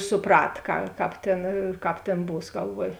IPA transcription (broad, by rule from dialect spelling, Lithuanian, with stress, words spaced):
sʊˈprɐt kɐ ˈkɑːp tʲeːn ˈkɑːp tʲeːn ˈbuːs ɡɐlˠˈʋuɔj